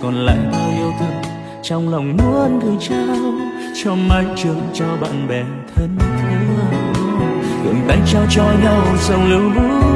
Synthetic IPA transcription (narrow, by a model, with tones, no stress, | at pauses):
kɔ˨˩nla̰ː˧˨jt̪a˧˦ʔi˧əwt̪ɨ˧˩ | t͡ɕɔ˧wŋ͡mla˨˩wŋ͡mmu˧˦ənɣɨ˨˩jt͡ɕa˧m | t͡ɕɔ˧maː˧jt͡ɕɨ˨˩nt͡ɕɔ˧ɓa̰ː˧˨nɓɛ˨˩ | t̪ʰə˧nt̪ʰi˨˦lə˧˩˧ | kə̰˧˨˩nɓa̰˧˥ŋt͡ɕɔ˧t͡ɕɔ˧ɲa˧wzə˨˧˩wŋ͡mli˧˨˦wzɨ˧˦˥